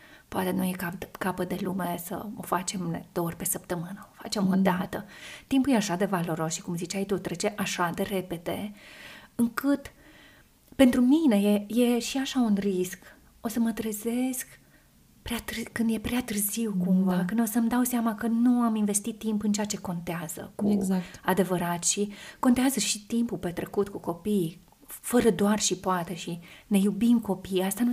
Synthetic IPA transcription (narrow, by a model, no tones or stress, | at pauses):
poat̪e̞nujekakapəd̪e̞lume̞sə̰o̞̰fat͡ʃe̞med̪eorʲpe̞səpt̪əmɨnəofat͡ʃe̞mo̞d̪at̪ət̪impujeaʃad̪e̞valo̞ɾo̞sʃi̥kumzit͡ʃajt̪ut̪ɾet͡ʃe̞ʔaʃad̪e̞ɾe̞pe̞d̪e̞ | ɨŋkɨt̪ | pe̞nt̪ɾumine̞je̞je̞ʃiaʃaunrisk | o̞səmət̪ɾeze̞sk | pɾeat̪ɨrkɨnd̪je̞pɾeat̪ɨrziwkumvakɨnd̪o̞səmd̪awseamakənuaminve̞st̪it̪ːimpɨnt͡ʃejat͡ʃe̞ko̞nt̪eaz̥ə̰kuezakad̪e̞vəɾat̪ʃiko̞nt̪eazəʃit̪impupe̞t̪ɾe̞kut̪kuko̞pij | fəɾəd̪oarʃipoat̪e̞ʃine̞jubimko̞pijast̪anu